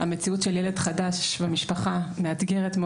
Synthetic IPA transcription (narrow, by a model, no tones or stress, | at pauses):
ame̞t͡siutʃeljele̞dχadaʃvemiʃpaχameat̪ɡe̞ʁetm